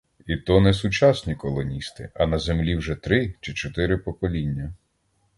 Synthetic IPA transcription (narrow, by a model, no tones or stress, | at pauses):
it̪ɔnɛsʊt͡ʃɑsʲnʲikɔlˠɔnʲist̪ɪ̰ɐnɐzemlʲiwʒɛt̪ɾɪt͡ʃɪt͡ʃɔt̪ɪɾɪpɔkɔlʲinʲːɐ